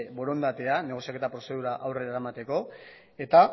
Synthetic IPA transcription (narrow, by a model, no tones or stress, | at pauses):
bo̞ɾo̞nd̪at̪eane̞ɣ̞oijake̞t̪apɾo̞se̞ð̞uɾaʔawre̞ɾaeɾamat̪e̞ko̞ | e̞t̪a